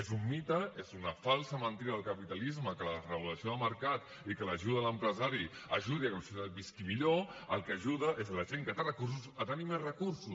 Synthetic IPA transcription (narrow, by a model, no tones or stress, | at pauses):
ezumːit̪əezunəfalˠsəmənt̪iɾəðəlˠkəpit̪ɐlizməkələrəβulɐsioðəməɾkat̪ | ikələʒuðɐləmpɾəzaɾi | ɐʒuð̞iakəmsut̪at̪̚biskimiʎoəlˠkəʒuðəʔezlɐʒeŋkət̪rəkususət̪animezrəkuɾsus